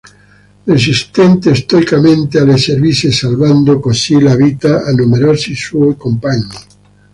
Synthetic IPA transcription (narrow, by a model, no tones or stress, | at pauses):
res̬ist̪ent̪eːst̪oikamẽnt̪ealeseɾβisesalβand̪okosilaβit̪aanumeɾosisuekompaɲi